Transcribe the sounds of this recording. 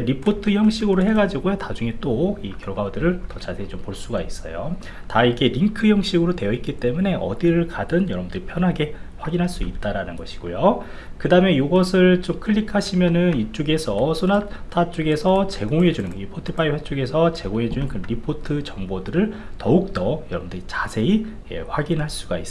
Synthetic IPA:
eɾipʰotʰɯjʌŋɕʰiɡɯɾoɦe̞ɡad͡ʑiɡojotad͡ʑuŋe̞t͈oikjʌɭɡawodɯɾɯɭtʌt͡ɕasʰet͡ɕompoɭs͈uɡais͈ʌ̰jo | taiɡe̞ɾiŋkʰɯjʌŋɕ͈ʰiɡɯɾotwe̞jʌit̚k͈it͈e̞mune̞ʌ̰diɾɯɭkadɯnjʌɾʌbundɯɾipʰjʌnɦaɡe̞ɸwaɡinɦaɭs͈uit̚t͈aɾanɯnɡʌɕʰi̥ɡ̥ojo | kɯdaɯme̞juɡʌsʰɯɭt͡ɕomkʰɯʎːikʰaɕʰimjʌnɯnit͡ɕ͈uɡe̞sʰʌsʰonatʰat͡ɕ͈uɡe̞sʰʌt͡ɕe̞ɡoŋed͡ʑunɯnipʰotʰɯpʰaiɸwe̞t͡ɕ͈uɡe̞sʰʌt͡ɕe̞ɡoŋe̞d͡ʑunɯnkɯnɾipʰotʰɯt͡ɕʌŋbodɯɾɯɭtʌuk̚t͈ʌjʌɾʌbɯndɯɾit͡ɕasʰe̞i | ḛɸwaɡinɦaɭs͈uɡais͈

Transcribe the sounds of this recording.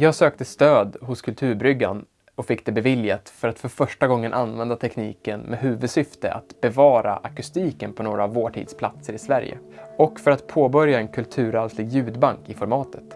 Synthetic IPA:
jɑːɡsøːk̚t̪əst̪øːd̪ɦʊskʰɵlt̪ʰʉ̟ːɾbɾʏɡːa̰n | ɔkfɪkːd̪ɛbɛvɪljat̪fœɾat̪fœɾfœʂʈaɡɔŋːənʔanvɛnd̪at̪ʰɛkniːkənmɛɦʉ̟ːvɵd̪sʏft̪əʔa̰t̪bɛvɑːɾa̰ʔakɵst̪iːkənpʰɔnoːɾaːvːoːʈʰḭːd̪spʰlat̪səɾɪsvæɾjə̰ɔkːfœɾat̪pʰoːbœɾjaɛnkʰɵlt̪ʰʉ̟ːɾalslɪɡjʉ̟ːd̪baŋkɪfɔɾmɑːt̪ʰə̥t̪

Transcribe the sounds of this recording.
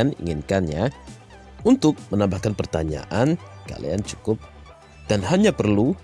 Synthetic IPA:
anḭŋinkanja | unt̪ʊk̚mənambahkanpərt̪aɲa̰ʔanka̰lḭa̰nt͡ʃukʊp̚ | d̥anɦaɲapərlu

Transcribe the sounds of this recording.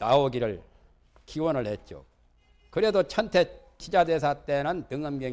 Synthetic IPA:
naoɡiɾɯɭ | kiwʌnɯɭhet̚t͡ɕ͈o̰ | kɯɾe̞dot͡ɕʰʌntʰe̞ | t͡ɕʰid͡ʑade̞s̬ʰat͈e̞nɯntɯŋɯmɡjʌ

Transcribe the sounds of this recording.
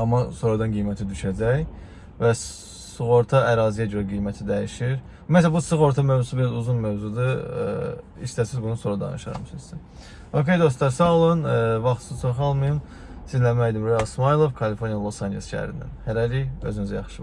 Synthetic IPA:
ɑmːɑso̞ːɾɑd̪ɑnɡijmæt̪ʰid̪yʃæd͡ʒæj | væs | suɣo̞ɾt̪ʰɑʔæɾɑːzijæɟøɾæɡijmæt̪ʰid̪æjiʃiɾ | ymæt̪busɯɣo̞ɾt̪ʰɑmøvzusɯbiɾɑzuzunmøvzud̪ɯ | iʃt̪æsizbunusoɾɑd̪ɑ̰nɯʃɑ̰ɾmsɯzsin | o̞kʲʰe̞jd̪o̞s̬t̪ɑɾsɑɑlˠɯnvɑχt̪ʰst͡ʃʰoχɑlˠmɯjɯn | sizlæmæjd̪imɾojɑlˠsmɑjlˠo̞vkʰɑlifo̞ɾnijalˠosɑnd͡ʒelʲsʃæ̰ɾind̪æ̰nhæɾæɾiø̰zynyzæjɑ̰χʃɯ

